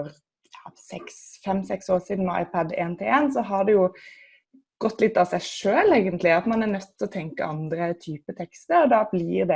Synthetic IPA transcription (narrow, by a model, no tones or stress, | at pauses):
ɔɾ | jɑːsɛksfɛmsɛksoːʁsiːd̪n̩mɛɑ̰ɪpʰɑd̪ḛːnt̪ʰɪleːnsɔɦɑd̪ɛjʊ | ɡ̥ɔt̪ːlɪt̪ːɑʋsæɪʂøːleɪɡənt̪lɪɑt̪mɑnæʁnœt̪ːɔt̪ʰɛŋkə̰ɑnd̪ɾət̪ʰyːpət̪ʰɛkst̪əɾɔd̪ɑːblɪɾd̪ɛ